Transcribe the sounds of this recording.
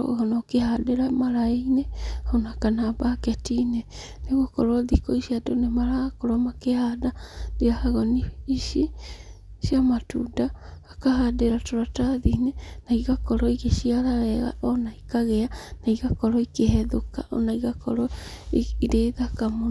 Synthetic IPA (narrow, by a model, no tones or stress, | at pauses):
ɣɔnɔkehadeɾamaɾaeinɛhɔnakanabakɛtinɛ | neɣokɔɾɔðikɔiʃiadonemaɾaɣkɔɾɔmakehadaneahaɣɔniiʃi | siamatudaakaɦadeɾatoɾataðinenaiɣakɔɾɔiɣeʃiaɾaɾɛɣa̰ʔɔnaikaɣɛanaiɣakɔɾɔikehɛðoka̰ʔɔ̰naiɣakɔɾɔiiɾeːðakamo